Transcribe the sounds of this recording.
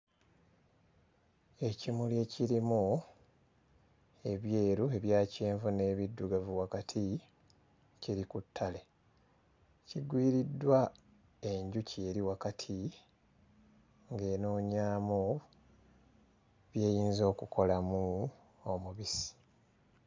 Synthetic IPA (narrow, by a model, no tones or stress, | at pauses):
e̞cimulje̞ciɾimu | e̞βjeːɾue̞βjaːceːɱvune̞ːβidːuɡavuwakatʰi | ciɾikutʰːale̞ | ciɡwiːɾidːwa | e̞ɲɟucie̞ːɾiwakatʰi | ŋɡe̞ːnoːɲaːmu | βje̞ːjiːnzo̞ːkuko̞lamu | omuβisi̥